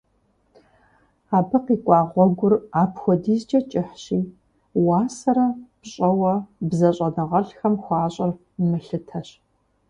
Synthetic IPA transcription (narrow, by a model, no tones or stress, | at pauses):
aːbɨqiːkʷʼɑːʁʷɔɡʷʊraːpxʷɔdiːzd͡ʒɐt͡ʃʼɪħɕiː | waːsɐɾɐpɕʼɐwɐbzɐɕʼɐnɨʁɐɬxɐmxʷɑːɕʼɪr | mɨɬɨtʰɐɕ